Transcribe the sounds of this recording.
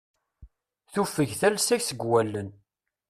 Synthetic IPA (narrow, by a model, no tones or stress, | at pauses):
θufəʝθælsæçsəɡwælːən